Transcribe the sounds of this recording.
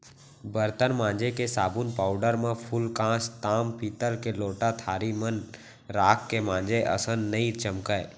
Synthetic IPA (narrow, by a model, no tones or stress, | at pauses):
bəɾt̪ənmãːnd͡ʒekesaːbunpaːʊɖəɾmẽpʰʊlkãːst̪aːmpiːt̪əlkeloːʈat̪ʰaːɾimən | ɾaːkːemãːnd͡ʒeʔə̰sə̃nnəĩt͡ʃəmkəe